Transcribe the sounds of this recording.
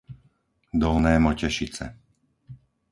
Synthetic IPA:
d̪ɔlnɛːmɔcɛʃit͡sɛ̰

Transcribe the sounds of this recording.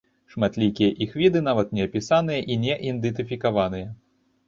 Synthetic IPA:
ʂmat̪lʲikʲijɐʔixvʲid̪ɨn̪avɐt̪nʲɛɐpʲisanɨjɐʔinʲɛʔind̪ɨt̪ɨfʲikavan̪ɨjɐ

